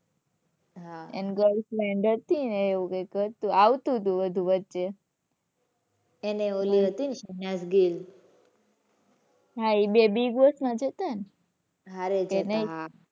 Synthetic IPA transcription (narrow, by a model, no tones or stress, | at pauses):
ɦaɛ̰nɡəlslɛɳɖət̪ineeʋũkekəɾt̪ũaʋt̪ũt̪̬ũʋəd̪ʱũʋət̪ːt͡ʃe | eneoliɦət̪inʃənasɡil | ɦaibebiɡosmãd͡ʒət̪an | ɦaɾeenəɦia